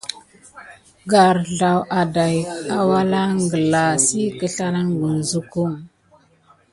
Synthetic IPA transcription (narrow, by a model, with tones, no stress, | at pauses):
ɡa˨ɾɮa˨wʔa˨da˨ja˨wa˦la˦ŋɡə˨la˨si˦kə˦ɬa˦ɾa˦ŋɡu˨n˨zu˦ku˦ŋ